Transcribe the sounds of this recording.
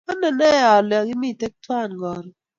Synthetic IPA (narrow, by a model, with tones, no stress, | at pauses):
ɔ˦nɔ˨nɛ˦a˨lɛ˨ɡɪ˦mi˦˨tɛ˦k̚twa˦˨nɡɔ˨ɾ